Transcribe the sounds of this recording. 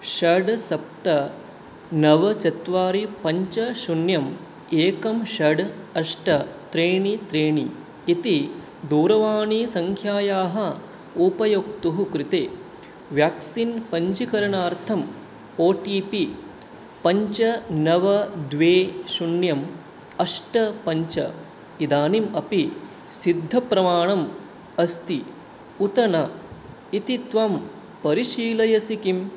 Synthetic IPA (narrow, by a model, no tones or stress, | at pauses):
ʃɐɖsɐp̚t̪ɐ | nɐʋɐt͡ʃɐt̪ʋaːɾipɐɲt͡ʃɐʃunjɐm | eːkɐmʃɐɖɐʂʈɐt̪ɾeːɳit̪ɾeːɳiː | t̪i | d̪uːɾɐʋaːɳiːsɐŋkʰjaːjaːɦɐ | upɐjoːkt̪uɦukɾɪt̪eː | ʋjaːksinpɐɲt͡ʃikɐɾɐɳaːɾt̪ʰɐm | oːʈiːpi | pɐɲt͡ʃɐnɐʋɐd̪ʋeːʃunjɐm | ɐʂʈɐpɐɲt͡ʃɐ̰ | id̪aːnimɐpi | sid̪ʱːɐpɾɐmaːɳɐm | ɐst̪i | ut̪ɐɳɐ | it̪it̪ʋam | pɐɾiʃiːlɐjɐsikim